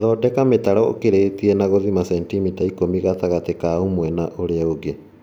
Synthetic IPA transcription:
ðɔdɛkametaɾɔo̰keɾetiɛnaɣoðimasɛntimitaikomiɣat̪aɣatekaomwɛnaʔoɾeaoɣe

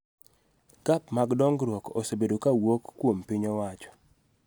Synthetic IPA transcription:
kapmaɡdɔŋɡɾwɔko̰sebedokawokːwompiɲɔwat͡ʃɔ̥

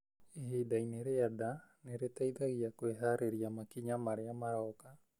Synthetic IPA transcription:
eɦedajneɾeadaneɾet̪ajd̪aɣiakoeɦaɾeɾiamakiɲamaɾeamaɾaoka

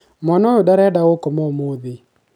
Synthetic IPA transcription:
mɔnɔodaɾɛdaokɔmɔmoðe

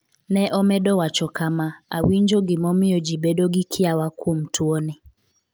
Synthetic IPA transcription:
nɛʔɔmɛdɔwat͡ʃɔkamaa̰wiɲd͡ʒɔɡɪmɔmɪɔd͡ʒibɛdɔɡikʰɪawakwom̩tʰuɔnɪ

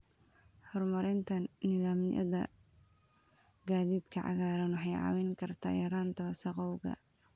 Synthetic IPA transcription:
hɔrmɐɾɛnt̪ʰɐnniɪðaːmɪjɐ̰ðɐ̰ | ɡaːðiːd̪kʰɐʕɑ̰ɣaːɾɐnwɑħɑjʕɑ̰wɛŋkʰɐrt̪ʰa̰ːʔɛɾaːnt̪ʰɐsɐqɔwɣɐ̰

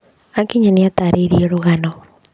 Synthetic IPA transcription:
akiɲaniataɾʔeɾioɾoɣanɔ

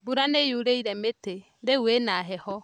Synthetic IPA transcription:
buɾanejuɾeiɾɛmete | ɾewenaɦɛhɔ

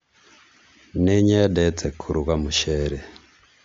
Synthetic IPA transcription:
neɲedet͡sekʰuɾuɣamuʃeɾe

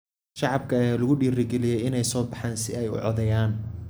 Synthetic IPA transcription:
ʃɑʕɑb̚kʰɐɐjaːlɐɣʊɖiːrɪɡɛlɪjɛjɪnɛjsɔːbɑħɑːnsɪɛjʊ̰ʕɔðɐjaːn

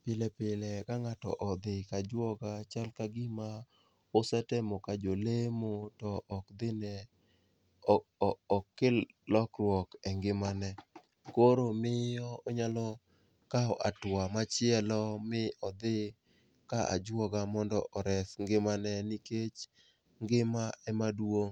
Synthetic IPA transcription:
pɪlɛpɪlɛkaŋatɔ̰ʔɔd̪ɪkad͡ʒwɔɡat͡ʃalkaɡɪma | ʊsɛtɛmɔkad͡ʒolemotɔʔːkd̪ɪnɛ | ɔkːɪllɔkɾwɔkɛŋɡɪmanɛ | koɾomɪjɔɔɲalɔ | kaɔʔatwamat͡ʃɪɛlɔmɪʔɔd̪ɪ | kaʔa̰d͡ʒwɔɡamɔndɔʔɔɾɛsŋɡɪmanɛniket͡ʃ | ŋɡɪmaɛmadwo

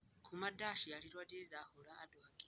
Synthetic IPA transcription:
kʰumadaʃialiɾwadidahulaːduaɡi

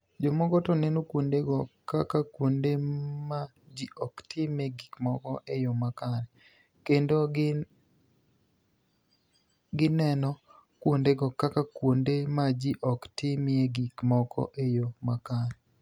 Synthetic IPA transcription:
d͡ʒomɔɡɔtɔnɛnokwondeɡɔkakakwondema | d͡ʒiɔktʰɪmɛɡikmɔkɔʔejomakaɾɛ | kendo | ɡɪnɛnɔ | kwondeɡɔkakakwondemad͡ʒiʔɔktɪmɪeɡikmɔkʰɔ̰ʔejomakaɾɛ

